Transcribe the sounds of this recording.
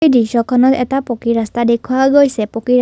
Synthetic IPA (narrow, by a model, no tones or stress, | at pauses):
ejdisɔkʰɔnɔt̪ɛtapokiɹast̪adekʰʊwaɡojsɛpoki